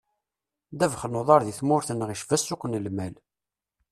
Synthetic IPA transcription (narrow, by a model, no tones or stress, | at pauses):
d̪ævχənoðˤɑɾˤðiθmʊɾθənʁiʃvæsːʊqənəlmæl